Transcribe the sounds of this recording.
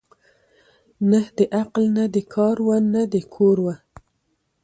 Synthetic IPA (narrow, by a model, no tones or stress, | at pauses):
nəhd̪əʔaqlnad̪əkʰɑɾwannad̪əkʰoɾwa